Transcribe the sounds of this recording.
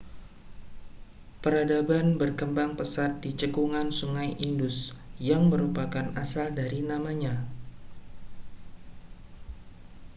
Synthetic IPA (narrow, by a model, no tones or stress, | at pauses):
pəɾadabanbərkəmbaŋpəsat̪̚dit͡ʃəkuŋansuŋajʔindʊsjaŋməɾupakanasaldaɾinamaɲa